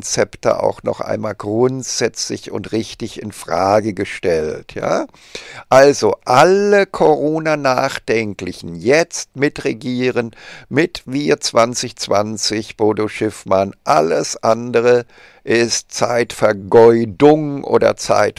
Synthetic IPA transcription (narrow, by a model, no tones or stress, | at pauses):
nt͡sɛptə̰ʔa̰ʊxnɔ̰χʔa̰ɪnmaːlɡʁʊntz̥ɛt͡slɪçʊ̰ntʁɪçtɪçɪnfʁ̥aːɡəɡəʃtɛltʰja̰ː | ʔalzoʔaləkʰoʁoːnanaːχd̥ɛŋklɪçn̩jɛt͡st̚mɪtʁeɡiːʁənmɪtviːɐt͡sv̥ant͡sɪçt͡sv̥ant͡sɪçb̥oːdoʃɪfmanʔaləsʔandəʁə | ʔɪstt͡sa̰ɪtfɛɐɡɔʏdʊŋʔo̰ːdɐ̰t͡sa̰ɪt